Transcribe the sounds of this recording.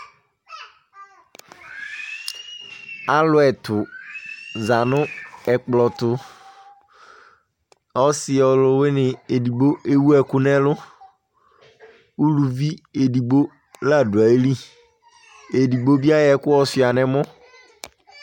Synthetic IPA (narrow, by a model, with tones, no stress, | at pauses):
a˦lʊ˨ɛ˨tʰʊ˨ | za˨nʊ̃˦ɛ˨k͡plɔ˨tʊ˨ | ɔ˦sɪ˨ɔ˨lʊ˨wɪ˦nɪ̃˨e˨di˨bo˦ʔe˦wu˦ɛ˨kʊ˦nɛ̃˦lʊ˦ | u˦lu˨vi˦e˨di˨bo˦ | la˨dʊ˨a˨e˦li˦ | e˨di˨bo˦bi˦a˦jɛ˨˦kʊ˦ɔ˦sɪ˨a˨nɛ̃˦mʊ̃˦